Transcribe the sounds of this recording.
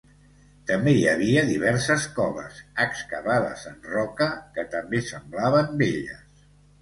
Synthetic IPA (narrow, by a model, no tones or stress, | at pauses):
t̪əmbejəβ̞iəðiβɛɾsəskɔβə̰səkskəβaðə̰zənrɔkəkət̪əmbesəmblaβəmbeʎə̰s